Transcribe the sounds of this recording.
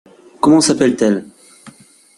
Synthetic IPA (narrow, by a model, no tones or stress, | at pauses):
kɔmɑ̃sapɛlt̪ɛl